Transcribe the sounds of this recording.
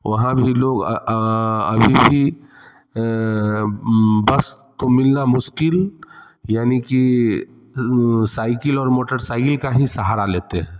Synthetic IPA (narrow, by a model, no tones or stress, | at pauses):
ʋɐɦãbʱiloːɡ | ɐ̰bʱibʱi | bɐst̪omɪlnamʊʃkɪl | jaːniki | saːɪkɪlɔːɾmoːʈəɾsaːɪkɪlkaɦisɐɦaːɾaleːt̪eɦɛ̃ː